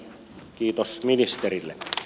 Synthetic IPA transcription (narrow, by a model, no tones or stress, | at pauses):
kiːt̪osminist̪erilːḛ